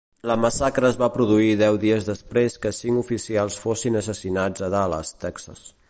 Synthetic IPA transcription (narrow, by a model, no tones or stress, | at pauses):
ləməsakɾəːzβapɾuðuiðɛwðiəzðəspɾeskəsiŋufisialˠsfosinəsəsinad͡zəðalə̰st̪ɛksə̰s